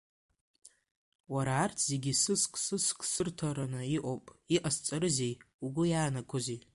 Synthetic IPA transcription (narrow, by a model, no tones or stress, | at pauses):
waɾaːrtʰz̥eɡʲisɨskʷʼsɨskʰʼsɨrtʰaɾanɨiʔʷʼowpʼiʔast͡sʼaɾɨzej | uɡʷʊjaːnakʷʰozitʼ